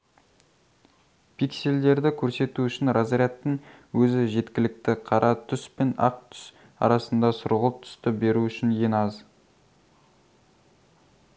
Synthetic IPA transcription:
pʰikse̞ld̪e̞ɾd̪ɪkʲʰɵɾse̞t̪uʏʃɪnɾazɾʲjat̪ːəɴ | wɵzɪʒe̞t̪kʲɪlɪk̚t̪ɪqʰɑɾʔɑt̪ʰʏspe̞nɑ̰q̚t̪ʰʏ̥s | ɑ̰ɾɑsənd̪ɑsʊɾʁəlˠəp̚t̪ʰʏ̥st̪ɪbe̞ɾuʏʃɪnje̞nɑz

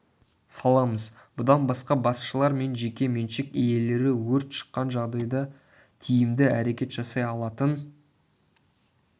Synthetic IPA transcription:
sɑlˠɑməz | bʊd̪ɑnbɑsqɑbɑsʃəlˠɑɾme̞nʒe̞kʲe̞menʃɪkeje̞le̞ɾɪwɵɾt̪ʃə̥qːɑnʒɑʁd̪ɑjd̪ɑ | t̪ʰijɪmd̪ɪæɾe̞kʲe̞t̪ʒ̥ɑsɑjɑlˠɑt̪ən

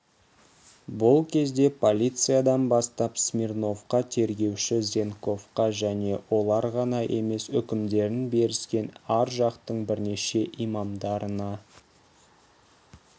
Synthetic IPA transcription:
bʊlˠkʲʰe̞zd̪e̞pʰo̞lʲijt̪sɨjad̪ɑnbɑst̪ɑpsmʲirno̞fqɑt̪ʰe̞ɾɡʲe̞wʃɪzʲe̞ŋko̞fqɑʒæne̞wʔo̞lˠɑɾʁɑnɑʔe̞me̞sʏkʲɪmd̪e̞ɾɪnbe̞ɾɪskʲe̞næɾʒɑqt̪əɴbɪɾne̞ʃe̞ʔijmɑmd̪ɑɾənɑ

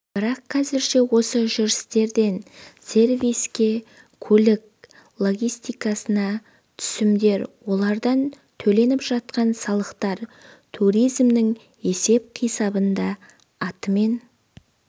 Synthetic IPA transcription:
b̥ɪɾɑqʰːɑzɪɾʃe̞wo̞səʒʏɾɪst̪e̞ɾd̪e̞nse̞ɾvʲijskʲe̞ | kʲʰɵlɪk | lˠo̞ɡʲijst̪ijkɑsənɑ | t̪ʰʏ̥sɪmd̪e̞ɾwo̞lˠɑɾd̪ɑn | t̪ʰɵle̞nɪpʒ̥ɑt̪qɑnsɑlˠəqt̪ɑɾt̪ʰuɾijzmnɪŋ | e̞se̞p̚qʰijsɑbənd̪ɑː | t̪əme̞n

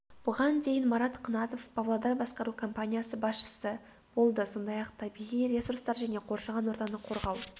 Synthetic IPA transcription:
b̥ʊʁɑnd̪e̞jɪnmɑɾɑt̪qʰɑnɑt̪o̞fbɑvlˠod̪ɑɾbɑsqɑɾukʰompanʲijasəbɑsʃə̥sə | b̥o̞lˠd̪əso̞nd̪ɑjɑqt̪ʰɑbiʁijɾʲe̞surɾst̪ɑɾʒæne̞qʰo̞ɾʃɑʁɑnwo̞ɾd̪ɑnəqʰo̞ɾʁɑw

